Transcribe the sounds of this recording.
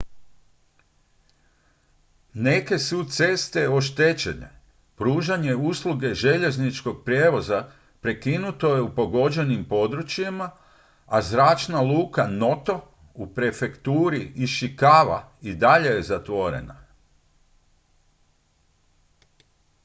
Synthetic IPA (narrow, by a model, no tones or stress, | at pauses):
ne̞ke̞sut̪se̞st̪e̞o̞ʃ̬t̪et͡ɕe̞̰nḛ | pɾuːʒaɲe̞uslˠuɡe̞ʒe̞ʎe̞znit͡ʃko̞ɡ̚pɾʲjeːʋo̞za | pɾe̞kinut̪o̞je̞upo̞ɡo̞d͡ʑe̞nimpo̞d̪ɾut͡ɕjema | azɾaːt͡ʃnalˠuːkano̞t̪o̞ | upɾe̞fe̞kt̪uːɾiiʃikaːʋa̰id̪aʎe̞jezat̪ʋo̞ɾḛna̰